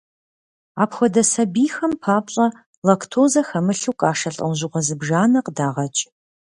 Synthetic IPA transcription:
aːpxʷɔdɐsɐbiːxɐmpʰaːpʼɕʼɐ | lɐkʰtʰoːzɐxɐmɨɬuwkʼaːʂɐɬʼɐ̰wʒɪʁʷɔzɨbʒaːnɐqədaːʁɐt͡ʃʼ

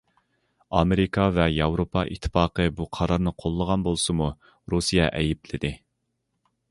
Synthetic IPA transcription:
ɑmeɾikʰɑvɛjɑwɾopʰɑʔḭt̪ʰːɨ̥fɑːqəbuqʰɑɾɑɾnɨqʰolˠːəʁɑnbolˠsɨmu | ɾusijɛʔɛjɪplɪd̪ɪ

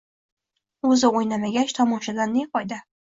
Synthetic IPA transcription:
ɵzɪojnamaɡʲat͡ʃt̪ʰɒmɒʃad̪anːeqɒjd̪a

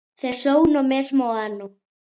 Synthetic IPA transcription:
θesownomezmoanʊ

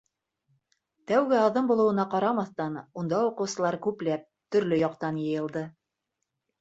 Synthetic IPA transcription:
t̪æwɡɘɑðɤmbulˠɤ̆wɤ̆nɑqɑɾɑmɑθt̪ɑnund̪ɑuqɤ̆wsɤ̆lˠɑɾkʉplæp̚t̪ɵ̆ɾlɵjɑqt̪ɑnjɤ̆jɤ̆lˠd̪ɤ

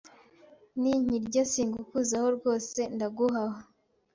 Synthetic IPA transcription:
niɲ̥iɾɟasiːŋɡukuzaho̞ɾɡo̞ːse̞ndaɡuɦaho

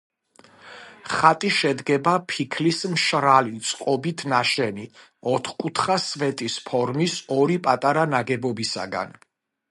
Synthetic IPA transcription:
χat̪ʼiʃɛd̪ɡɛbapʰikʰlismʃɾalit̪sʼqʼɔbit̪ʰnaʃɛni | ɔt̪ʰχkʼut̪ʰχasvɛt̪ʼispʰɔɾmisɔɾipʼat̪ʼaɾanaɡɛbɔbisa̰ɡa̰n

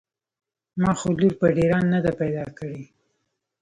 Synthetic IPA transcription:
mɑxoluɾpəɖeɾɑnːad̪apajd̪ɑkəɽe

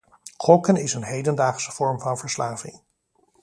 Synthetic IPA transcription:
χɔkənɪsənɦejdəndaːχsə̥v̥ɔɹmvɑnvəɹslaːvɪ̰ŋ

